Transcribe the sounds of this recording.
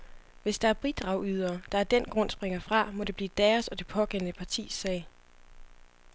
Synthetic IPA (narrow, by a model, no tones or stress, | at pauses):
ʋe̝sd̥ɑ̈æɐb̥ʁid̥ʁɑ̈ʊyð̞ˠɐːd̥ɑ̈æɐd̥en̰ɡ̥ʁɔ̽n̰sb̥ʁeŋɐfʁɑ̈mɒ̽d̥e̝b̥liːd̥ɛːɐsɒ̽d̥e̝pʰɒ̽ɡ̥ennəpʰɑ̈t͡sʰḭːsːɛːɪ